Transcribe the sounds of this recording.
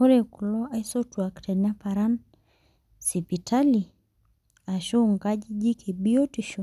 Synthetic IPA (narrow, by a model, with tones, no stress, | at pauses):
o˦ɾe˨ku˨lɔ˦a˦i˦sɔ˦twa˨ktɛ˨na˦pa˨ɾa˦n | si˨pi˨ta˦li˨ | a˨ʃo˦ŋka˦d͡ʒd͡ʒi˦kʰe˨bi˦o˦ti˨ʃu˨